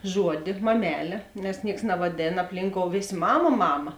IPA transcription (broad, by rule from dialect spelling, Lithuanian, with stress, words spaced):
ˈʒuɔdʲɪ mɐˈmʲæːlʲeː nʲɛs ˈnʲiɛks nɐʋɐˈdʲeːn ɐpʲˈlʲiːŋkoːʊ ˈʋʲeːsʲ ˈmɑːmɐ ˈmɑːmɐ